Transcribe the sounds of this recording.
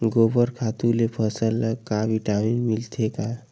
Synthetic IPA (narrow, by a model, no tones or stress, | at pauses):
ɡobəɾkʰat̪ulepʰəsəlːəkabiʈaminmilt̪ʰeka